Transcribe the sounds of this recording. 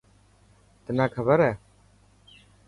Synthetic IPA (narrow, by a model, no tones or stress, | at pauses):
t̪ənaːkʰəbəɾɛː